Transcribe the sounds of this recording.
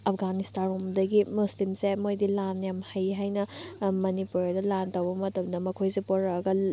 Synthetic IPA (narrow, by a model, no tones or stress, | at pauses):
ɐpʰɡanistanomdɐɡimuslimsemojdilanjamhɐjɦajnɐmɐnipuɾdɐlantɐwbɐmɐtɐmdɐmɐkʰojsepoɾɐɡɐ